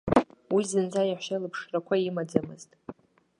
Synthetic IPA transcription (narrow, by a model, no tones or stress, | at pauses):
wizɨnd͡zajaħʷʃalɨpʰʂrakʷʰaimad͡zamɨ̰ztʼ